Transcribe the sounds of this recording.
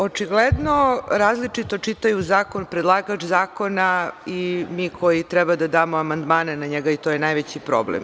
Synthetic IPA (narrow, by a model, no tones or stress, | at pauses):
o̞t͡ʃiɡled̪no̞ɾaːzlit͡ʂit̪o̞t͡ʃit̪ajuzaːko̞npɾed̪lˠaːɡat͡ʃzaːko̞naimiːkʰo̞jit̪ɾɛbad̪ad̪aːmoamand̪maːnenaɲeɡait̪oːjenajʋet͡ɕipɾo̰blḛm